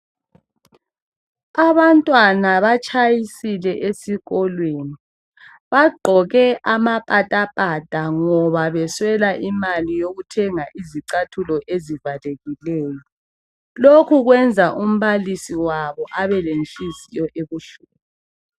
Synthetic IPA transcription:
aβantʼwanaβat͡ʃʼajisilɛʔesiɣɔlweːni | βaɡ͡ǃʱɔɣɛʔamapʼatʼapʼatʼaŋɔβaβɛswɛlaʔimalijoɣutʰɛŋaʔiziǀatʰulɔʔezivaleɣilɛːjɔ | lokʰuɣwɛnd͡zʱaʔum̩βalisiwaβɔʔaβɛlenɬʼisijɔʔeβuɬuːβu

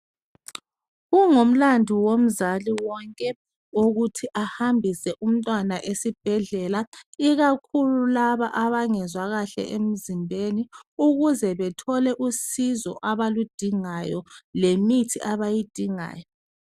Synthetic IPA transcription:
ɣuŋom̩landʱiwom̩zaliwɔŋkʼɛ | oɣutʰiʔahambʱisɛʔum̩tʼwanaʔesib̥ʱɛɮɛlaiɣakʰululaβaʔaβaŋɛzwaɣaɬɛ̰ʔem̩zimbʱeniuɣuzɛβɛtʰɔlɛʔusizɔ̰ʔaβalud̥ʱiŋajɔlemitʰiʔaβajid̥ʱiŋa̰ːjɔ

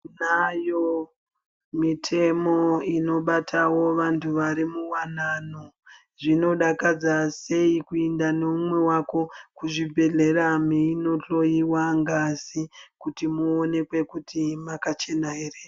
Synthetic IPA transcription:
najo | mitʰe̞mo̞ino̞ɓatʰawo̞ʋantʰuʋaɾimuwanano | ʐino̞ɗakad͡zase̞ikuendaneumwe̞wako̞kuʐibʱe̞ɮe̞ɾamiino̞ɬo̞jiwaŋɡasikutimuone̞kwe̞kutimakat͡ʃe̞naɦe̞re

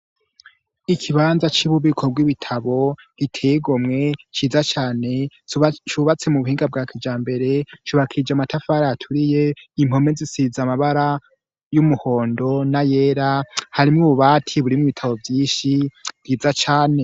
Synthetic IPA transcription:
ikʰiβanzat͡ʃiβuβikʰo̞bɡwiβitʰaβo̞ | ɡ̥itʰejiɡomŋe̞t͡ʃiːzat͡ʃaːne̞t͡ʃuβat͡se̞muβuhiːŋɡab̚ɡaːkʰid͡ʒaːmbe̞ɾe̞t͡ʃuβakʰid͡ʒamatafaːɾajatʰuɾije̞im̥o̞me̞zisizamaβaɾa | jumuho̞ːndo̞naje̞ːɾahaɾimŋuβuβaːtʰiβuɾimŋiβitʰaβo̞vjiːnʃivɡiːzat͡ʃaːne̞

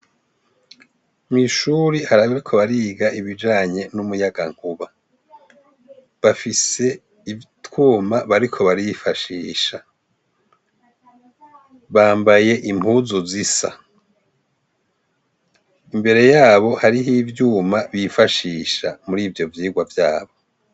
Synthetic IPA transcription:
mŋiʃuɾihaɾaβaɾikʰo̞βaɾiːɡaʔiβid͡ʒaːɲe̞numujaɡaŋ̥uβa | βafise̞ | itkuːmaβaɾikʰo̞βaɾiifaʃiːʃa | βaːmbaje̞ʔim̥huːzuzisa̰ | imbe̞ɾe̞jaːβo̞haɾihivjuːmaβifaʃiːʃamuɾiːvjo̞vjiːɡwavjaːβo̞

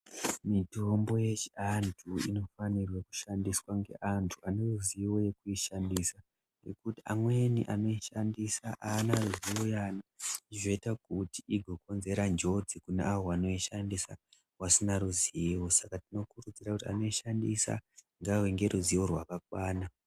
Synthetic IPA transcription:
mito̞mbo̞je̞t͡ʃiantʰuḭno̞fanirweku̥ʃandiswaŋɡe̞̰ʔantʰuane̞ruziwo̞je̞kuiʃandisa | ŋɡe̞̰kutia̰mwe̞nḭʔano̞iʃandisaʔaːnaruziwojaːnaiiʐo̞itakutiʔiɡʱoko̞nze̞ɾand͡ʒo̞d͡zikunḛawoano̞iʃandisa | wasinaɾuziwo̞sakatino̞kurud͡ziɾakutia̰no̞iʃandisa̰ | ŋɡaweŋɡe̞ɾʔuziworwakakwaːna

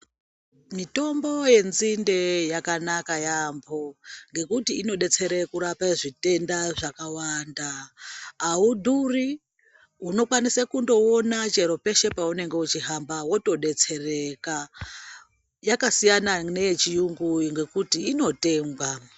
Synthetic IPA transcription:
mito̞mbo̞je̞nzinde̞jakanakajambʰoŋɡe̞kutiːno̞ɗe̞t͡se̞ɾekuɾapaʐite̞ndaʐakawandaː | udʱuri | uno̞kwanisakundo̞onat͡ʃe̞ɾo̞pe̞ʃe̞paune̞ŋɡe̞ut͡ʃiɦambawo̞to̞ɗe̞t͡se̞re̞ka | jakasijananeet͡ʃijuŋɡujiŋɡe̞kutiːno̞te̞ːŋɡwa

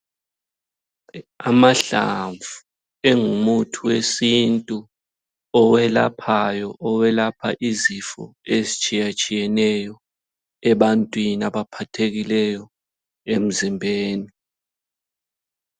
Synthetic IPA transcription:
amaɬa̰ɱvu | ɛŋumutʰuwesintʼu | ɔwɛla̰pʰajɔʔɔwɛlapʰa̰ʔizifɔ̰ezit͡ʃʼijat͡ʃʼijɛnɛjɔ | ɛɓantʼwinaɓapʰatʰek̬ilɛjɔ | em̩zimbʱeːni

